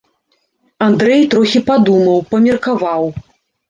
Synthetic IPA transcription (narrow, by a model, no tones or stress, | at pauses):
and̪ɾɛjt̪ɾɔxʲipad̪umɐwpɐmʲɛrkavaw